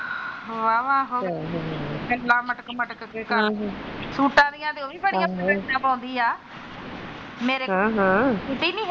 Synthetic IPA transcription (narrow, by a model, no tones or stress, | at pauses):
ʋaːʋaːɦo | kəlːãːməʈəkməʈkkekə̃ | suːʈãːd̪ijãːd̪eoːʋiːbəɽiãːnãːpãːʊ̃nd̪iːaː | meːɾẽːɦãʊʈiːnĩː